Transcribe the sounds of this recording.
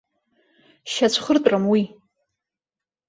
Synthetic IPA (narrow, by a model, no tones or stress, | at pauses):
ʃat͡ɕʷʰχərtʼrɨmwi